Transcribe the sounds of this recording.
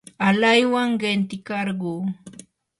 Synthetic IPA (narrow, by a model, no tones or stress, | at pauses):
alajwaŋɢent̪ɪkɑɾɢuː